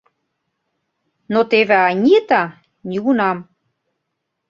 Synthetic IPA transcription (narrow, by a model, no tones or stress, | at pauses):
not̪eβeɑnʲiət̪ɑ | nʲiɣunɑm